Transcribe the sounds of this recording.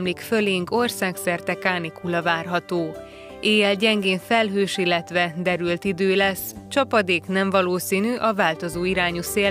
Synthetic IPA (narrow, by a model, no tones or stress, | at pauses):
mlikfø̞leːŋko̞rsaːksɛrt̪ɛkaːnikulɒvaːrɦɒt̪oː | eːjɛlɟɛŋɡeːɱfɛlɦøːʃilːɛt̪ʋɛd̪ɛɾylt̪id̪øːlɛst͡ʃɒpɒd̪eːknɛɱvɒloːsiːnyʔɒvaːlt̪o̞zoːiɾaːɲuseː